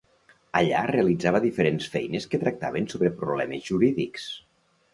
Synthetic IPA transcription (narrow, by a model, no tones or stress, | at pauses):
əʎa̰reəlid͡zaβəðifəɾensfɛjnəskət̪ɾək̚t̪a̰βənsoβɾəpɾuβlɛməzʒuɾiðiks